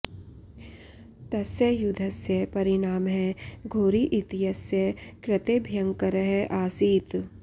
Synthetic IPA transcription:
t̪ɐsjəjʊd̪ʱɐsjɐpɐɾɪnaːmɦɛɡʱoːɾiʔɪt̪ijɐsjɐkɾɪt̪eːbʱjɐ̃ŋkɐɾəɦɛʔaːsiːt̪

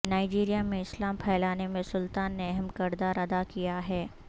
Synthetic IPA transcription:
naːɪd͡ʒiːɾijamẽɪslaːmpʰɛːlaːnemẽsʊlt̪aːnːeɐɦɛmkɐɾd̪aːɾɐd̪akijaɦɛː

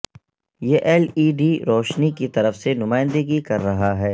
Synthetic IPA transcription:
jeːʔɛliːɖiɾɔːʃnikit̪ɐɾəfsenʊmaːɪ̃nd̪əɡikɐɾːɐɦaɦɛː

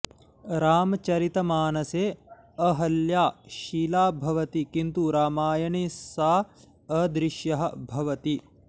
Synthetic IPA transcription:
ɾaːmɐt͡ʃɐɾit̪ɐmaːnɐseː | ɐɦɐljaːʃiːlaːbʱɐʋɐt̪ikint̪uɾaːmaːjɐɳisaː | ɐd̪ɾiʃjɐɦɐ̆bʱɐʋɐt̪i

